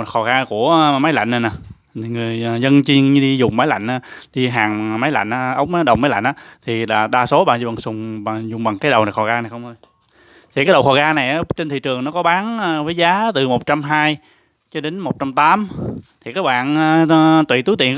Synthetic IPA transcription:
xɔ˨˩ɣaː˧ku˧˩əma˨˦jla̰˧˨ŋ̟na˨˩naː˨˩˨ | ŋɨ˨˩əjzə˧nt͡ɕi˧ŋɲ˧ɗi˧zʊ˨˩ŋ͡mmaː˨˦jla̰˧˨jŋ̟ʔaː˨˦ɗi˧ɦaː˨˩ŋma˨˦jla̰˧˨jŋ̟ʔaː˧˦ʔə˨˦wŋ͡maː˨˦ɗə˨˩wŋ͡mma˨˦jla̰˧˨jŋ̟ʔːt̪ʰi˨˩laː˨˩ɗaː˧so˨˦ɓa̰ː˧˨zɓa˨˩ŋsʊ˨˩ŋ͡mɓa˨˩zʊ˨˩ŋ͡mɓa˨˩ŋkaː˨˦jɗə˨˩wna˨˩xɔ˨˩ɣaː˧na˨˩jxə˧wŋ͡mo˧j | t̪ʰi˨˩kaː˨˦jɗə˨˩wxɔ˨˩ɣaː˧na˨˩jʔaː˨˦t͡ɕe˧nt̪ʰḭ˧˨t͡ɕɨ˨˩əŋnɔ˨˦kɔ˨˦ɓaː˨˦n˧vəː˨˦jzaː˨˦t̪ɨ˨˩mo˨˩t̚t͡ɕa˧mɦaː˧j | t͡ɕɔ˧ɗe˨˦nmo˨˩t̚t͡ɕa˧mt̪aː˨˦mt̪ʰi˨˩kaː˨˦˥k̚ɓa̰ː˧˨nː˧t̪wḭ˧˨t̪u˨˦t̪ḭ˧˨ə

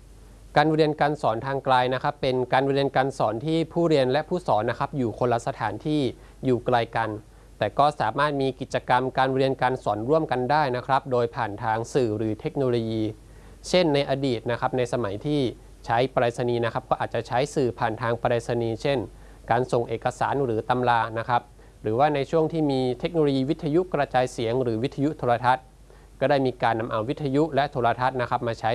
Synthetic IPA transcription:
kaː˧nɾi˧ənkaː˧nsɔː˩˦nt̪ʰaː˧ŋklaː˧jna˦˥kʰɾa˦˥pːe˧nkaː˧nɾi˧ənkaː˧nsɔː˩˦nt̪ʰiː˥˩pʰuː˥˩ɾi˧ənlɛ˦˥ʔpʰuː˥˩sɔː˩˦nːa˦˥kʰɾa˦˥p̚juː˨˩kʰo˧lːa˧sa˧t̪ʰa̰ː˩˦nt̪ʰiː˥˩ | juː˨˩klaː˧jka˧n | t̪ɛː˨˩kɔː˥˩saː˩˦maː˥˩t̪̚miː˧ki˨˩t̪̚t͡ɕa˧ka˧mkaː˧nɾi˧ənkaː˧nsɔː˩˦nɾu˥˩əmka˧ndaː˥˩jna˦˥kʰɾa˦˥p̚doː˧jpʰaː˨˩nt̪ʰaː˧ŋsɯː˨˩ɾɯː˩˦t̪ʰe˦˥k̚noː˧loː˧jiː˧ | t͡ɕʰe˥˩nːa˧jʔaː˧diː˨˩t̪̚na˦˥kʰɾa˦˥p̚na˧jsa˧ma˩˦jt̪ʰiː˥˩ | t͡ɕʰa˦˥jpa˧ɾaː˧sa˧niː˧na˦˥kʰɾa˦˥p̚kɔː˥˩ʔaː˨˩t̪̚t͡ɕa˨˩t͡ɕʰa˦˥jsɯː˨˩pʰaː˨˩nt̪ʰaː˧ŋpa˧ɾaː˧t̪̚sa˧niː˧t͡ɕʰe˥˩n | kaː˧nso˨˩ŋʔeː˨˩kːa˧sa̰ː˩˦nɾɯː˩˦t̪a˧mlaː˧na˦˥kʰɾa˦˥p̚ | ɾɯː˩˦waː˥˩na˧jt͡ɕʰu˥˩əŋt̪ʰiː˥˩miː˧t̪ʰe˦˥k̚noː˧loː˧jiː˧wi˦˥t̪ʰːa˧ju˦˥ʔkɾa˧t͡ɕaː˧jsi˩˦əŋɾɯː˩˦wi˦˥t̪ʰːa˧ju˦˥t̪ʰoː˧ɾa˧t̪ʰa˦˥t̪̚ | kɔː˥˩daː˥˩jmiː˧kaː˧nːa˧mʔa˧wi˦˥t̪ʰːa˧ju˦˥lɛ˦˥ʔt̪ʰoː˧ɾa˧t̪ʰa˦˥t̪̚na˦˥kʰa˦˥p̚maː˧t͡ɕʰa˦˥

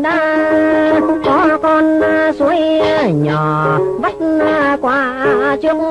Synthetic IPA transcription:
ɗaː˧ | kɔ˨˧˦kɔ˧n˧su˨˦əjɲɔ˨˩və˦˥t̚kwaː˧˩˧t͡ɕɨ˧əŋ

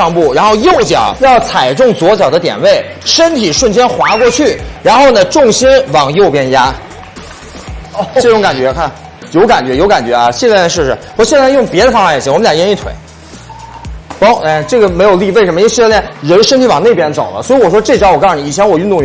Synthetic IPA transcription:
ɑ˥˧ŋpu˥˩ɻa˧˥nxo˥˧ʊjo˥˩ʊt͡ɕjɑ̰˨˩˦jɑ˥˩ʊt͡sʰa˨˩ɪʈ͡ʂʊ˥˩ŋt͡swɔ˧˥t͡ɕjɑ˨˩ʊd̪ə˦t̪jɛ̰˨˩nwe˥˩ɪ | ʂə˥nt̪ʰi˨˩ʂwə˥˩nt͡ɕjɛ˥nxwa˧˥kwɔ˥˧t͡ɕʰy˥˩ɻa˧˥nxo˥˩ʊnə˩ʈ͡ʂʊ˥˩ŋɕi˥nwɑ˨˩ŋjo˥˧ʊpjɛ˥˧nja˥ | ʈ͡ʂɤ˥˧ʈ͡ʂʊ˧˥ŋka˨˩nt͡ɕɥɛ˧˥kʰa˥˩n | jo˧˥ʊka˨˩nt͡ɕɥɛ˧˥jo˧˥ʊka˨˩nt͡ɕɥɛ˧˥ɐ˧ɕɛ˥˧ljɛ˥˧˩ʂɻ̩˥˩ʂɻ̩˧˩wɕɛ˥˧ljʊ˥˩ŋpjɛ˧˥d̪ə˧fɑ˥ŋfa˥˩jɛ˨˩i˥˩wɔ˨˩m˦ljjɛ˧˥i˥˩t̪ʰwḛ˧˩˦ɪ | pɔ˥ɛ˥˧˩ʈ͡ʂɤ˥˩ɡə˩me˧˥ɪjo˨˩ʊli˥˧we˥˩ʂə˧˥m˧˥ɕi˥˧˥ljɛ˥˩nɻə˧˥nʂə˥nt̪ʰi˧˥wɑ˨˩ŋne˥˩ɪpjɛ˥nt͡so˨˩ʊlə̰˦swɔ˧˥i˧˥wɔ˨˩ʂwɔ˥ʈ͡ʂɤ˥˩ʈ͡ʂɑ˥wɔ˨˩ka˥n˩˨i˨˩t͡ɕʰjɛ˧˥nwɔ˨˩y˥˧nt̪ʊ˥˧˥

